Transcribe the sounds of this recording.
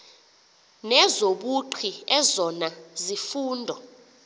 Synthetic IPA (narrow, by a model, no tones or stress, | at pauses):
nɛzoɓuǃʰiɛzɔnazifuːndʱɔ